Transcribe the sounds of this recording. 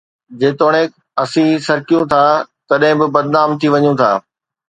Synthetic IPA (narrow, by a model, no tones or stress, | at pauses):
d͡ʑeːt̪oːɽ̃ẽ | ɐsĩsɐɾkijũt̪ʰaːt̪ɐɗɦɪ̃bɪbɐd̪naːmt̪ʰiʋɐɲũt̪ʰa̰ː